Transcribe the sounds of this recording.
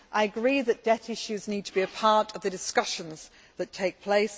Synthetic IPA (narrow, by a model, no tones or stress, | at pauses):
ʔaɪəɡɹiːðəʔd̥ɛtɪʃʉzniːd̚tʰəbiəpʰɑˑtəvðədɪskʌʃə̃nz̥ | ðətʰeɪk̚pʰl̥eɪs